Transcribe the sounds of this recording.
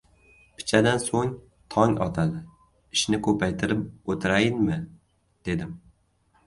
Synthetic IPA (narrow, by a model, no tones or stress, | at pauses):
pʰɪ̥t͡ʃʰad̪ansoŋ | t̪ʰɒŋɒ̰t̪ʰad̪ɪ | ɪʃnɪkʰɵpʰajt̪ʰɪɾɪp̚ot̪ʰɪɾajɪnmɪ | d̪̥e̞d̪ɪm